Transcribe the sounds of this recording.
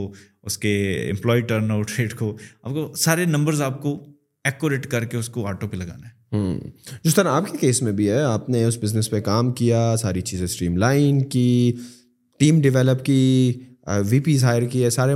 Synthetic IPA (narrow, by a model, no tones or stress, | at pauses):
o | ʊskeɪ̰̃mplɔːiʈəɾnoːʈɾeːɖkoːa̰ːp̚kosaːɾenɐ̃mbəɾzaːp̚ko | ɛːkːoɾeːʈkɐɾkeʊskoaːɾʈopelɐɡa̰ːnaɦɛːɦəːd͡ʒɪst̪əɾãaːpkekeːsmẽbʱiɦɛaːpneʊsbɪznəspekaːmkijasaːɾit͡ʃiːzẽsʈɾiːmlaːɪnki | ʈiːmɖɪʋɛːləpki | ʋiːpiːzɦaːjəɾkiɛsaːɾe